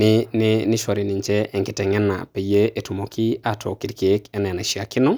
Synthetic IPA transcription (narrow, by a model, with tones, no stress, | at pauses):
nɪ˦nɪ˦nɪ˦ʃɔ˨ɾɪ˨nɪ˨ɲt͡ʃɛ˦ʔɛ˨ŋkɪ˨tɛ˨ŋɛ˦na̰˨pe˨je˦ʔe˨tu˨mo˨kʰi˦a˨tʰɔ˨ki˨ɾke˨˦kɛ˦nɛ˨na˨ʃi˨a˨kɪ˦nɔ˦